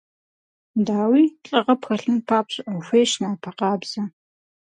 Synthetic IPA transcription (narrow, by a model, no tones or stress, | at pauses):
daːwiːɬʼɐʁɐpxɐɬɨnpʰaːpɕɪʔɐwxʷejʃnaːpʰɐqɑːbz̥ɐ